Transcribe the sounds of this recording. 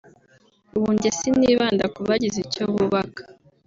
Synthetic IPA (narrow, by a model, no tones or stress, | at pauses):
uβuːɲɟesiniːβaːndakuβaɟizicoβuβakḁ